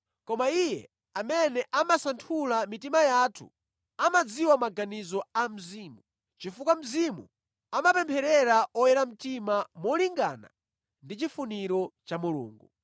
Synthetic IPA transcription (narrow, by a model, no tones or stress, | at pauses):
kɔmaijɛ̰ | amɛnɛʔamasantʰulamitimajaːtʰṵ | amad͡ziwamaɡanizɔam̩ziːmu | t͡ʃifukam̩zimṵ | amapɛmpʰɛɾɛɾaɔjɛɾam̩timamɔliŋɡa̰na̰ | ndit͡ʃifuniɾɔt͡ʃamulṵːŋɡu